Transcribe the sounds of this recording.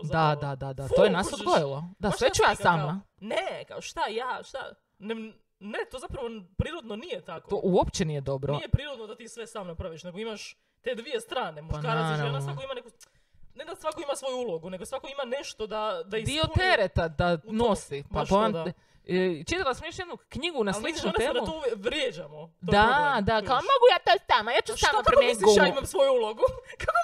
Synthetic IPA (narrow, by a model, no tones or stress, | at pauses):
d̪ad̪ad̪ad̪at̪ojenassod̪ɡojilˠod̪aʋet͡ʃujasamna | neka̰oʃt̪ajaːʃt̪a̰ | nem | net̪ozapɾaʋopɾiːɾod̪nonijet̪aktooʔuopt͡ɕenije̞d̪o̞bɾojepɾiɾod̪nod̪at̪iːsʋesaːmnapɾaʋiʃne̞ɡoimaʃ | t̪e̞d̪ʋie̞st̪ɾaːnemupʃankaɾaɾaasnaokoimaneko | ned̪asʋakoimasʋo̞juulˠoɡune̞ɡosʋakoimane̞ʃt̪od̪ad̪aid̪iot̪eɾet̪ad̪anosipapoam | t͡ʃit̪alasamjoʃjed̪nukɲiɡunasslˠit͡ʃuneːmd̪auouʋjekʋɾjed͡ʑamod̪oad̪akaomoɡujaːt̪at̪amajaːt͡ʃut̪amapaɾemeɡoimamsʋojuulˠoɡukako